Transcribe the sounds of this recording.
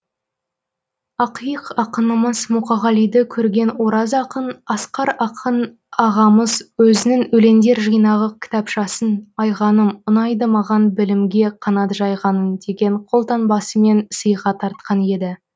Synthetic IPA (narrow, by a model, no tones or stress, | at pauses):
ɑqijəqɑqənəməzmuqɑʁɑlˠijd̪ɪkʲʰɵɾɡʲe̞nwo̞ɾɑzɑqənɑsqɑɾɑqʰən | ɑʁɑməzwɵzɪnɪŋɵle̞nd̪e̞ɾʒijnɑʁəkʲʰɪ̥t̪ɑpʃɑsənɑjʁɑnəmʊnɑjd̪əmɑʁɑnbɪlɪmɡʲe̞qʰɑnɑt̪ʒɑjʁɑnəmd̪e̞ɡʲe̞ɴqʰo̞lˠt̪ɑnbɑsəme̞nsəjʁɑt̪ʰɑɾt̪̚qɑne̞d̪ɪ